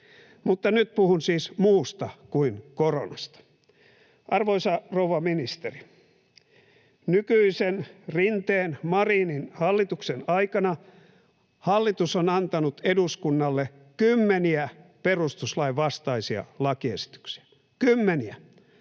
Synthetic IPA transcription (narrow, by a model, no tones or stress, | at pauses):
mut̪ːɑnyt̪̚puhunsiːsmuːst̪ɑkuinkoro̰nɑst̪ɑ̥ | ʔɑrʋoisɑrouʋɑminist̪eri | nykyisenrint̪eːnmɑrininhɑlːit̪uksenɑikɑnɑ | hɑlːit̪usonɑnt̪ɑnut̪eduskunːɑlːe | kymːeniæperust̪uslɑiʋʋɑst̪ɑisiɑ̰lɑkiesi̥t̪y̥ksi̥æ̥ | kymːeniæ